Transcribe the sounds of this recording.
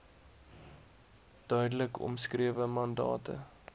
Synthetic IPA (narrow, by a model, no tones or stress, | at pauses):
d̥œɥdələkɔ̰mskriəvəmɐndɑ̰ːtə̰